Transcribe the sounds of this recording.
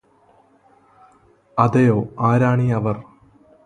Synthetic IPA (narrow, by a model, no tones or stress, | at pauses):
ɐd̪ejoːaːɾaːɳiɐʋɐr